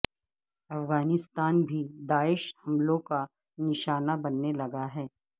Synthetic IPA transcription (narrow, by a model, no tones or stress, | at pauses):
ɐfɣaːnɪst̪aːnbʱid̪aːɪʃhɐmlõka | nɪʃaːnabɐnːelɐɡaɦɛː